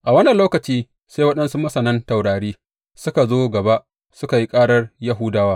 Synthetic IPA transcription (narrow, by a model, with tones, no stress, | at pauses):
ʔa˨wɐ˦nːɐ˨nloː˦kɐ˨t͡ʃiː˦ | seː˦wɐ˦ɗɐ˦nsu˦mɐ˦sɐ˨nɐ˦nta˨wɽaː˨ɽiː˦ | sʊ˦ka˨zoː˦ɡɐ˨ba˦ʔ | sʊ˦ka˨ji˦kʼaː˦ɽɐ˦rja˦ɦʊ˦daː˦waː˦